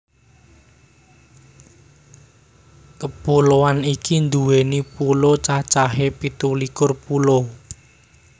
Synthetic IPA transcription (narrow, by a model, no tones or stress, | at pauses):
kəpulowanikind̪uwenipulot͡ʃat͡ʃaɦepit̪ulikʊrpulo